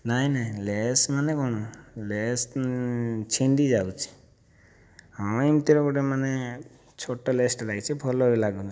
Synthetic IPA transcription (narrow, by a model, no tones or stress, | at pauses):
naɦĩnaɦĩlesmanekɔñules | t͡ʃʰeɳɖid͡ʒawt͡ʃʰi̥ | ɦawimt̪iɾɔkuʈemane | t͡ʃʰoʈɔlesʈɾajt͡ʃʰipʰɔlɔɦilaɡɔn